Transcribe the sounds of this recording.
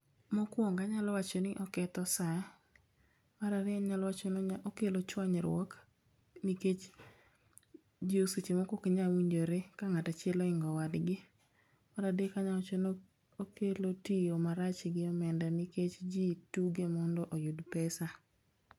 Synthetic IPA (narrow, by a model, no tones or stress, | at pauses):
mɔkwɔŋɡaɲalɔwat͡ʃɔnɪʔɔkɛt̪ɔsa | waɾaɾɪaɲalɔwat͡ʃɔnokelot͡ʃwaɲɾwɔk | niket͡ʃ | d͡ʒiosit͡ʃemɔkokeɲawiɲd͡ʒoɾekaŋatat͡ʃɪɛlɔɪŋɡɔwadɡɪ | maɾadekaɲa | okelotijomaɾat͡ʃɪɡɪɔmɛndaniket͡ʃd͡ʒituɡemɔndɔʔojudpɛsa